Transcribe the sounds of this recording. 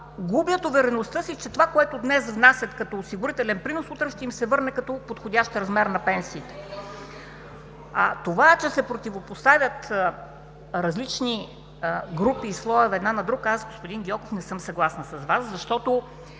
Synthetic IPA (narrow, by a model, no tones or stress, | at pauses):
ɡubjət̪ʊvɛɾɛnost̪ɤsit͡ʃɛt̪ovakoɛt̪ʊd̪nɛsvnasʲjɐt̪kɐt̪ɔosiɡʊɾit̪ɛlɛnpɾinosut̪ɾəʃt̪ɛimsɛvɤɾnɛkɐt̪ɔpot̪xod̪ʲaʃt̪ɾɐzmɛɾnɐpɛnsiːt̪ɛ̥ | t̪ovaɛt͡ʃɛsɛpɾot̪ivopost̪avʲət̪ | ɾɐzlit͡ʃni | ɡɾupiːslˠɔɛvɛd̪nanɐd̪ɾukazɡospʊd̪inɡʲiɔkofnɛsɤmsɐɡlˠasnɐsɐzvaszɐʃt̪ɔt̪o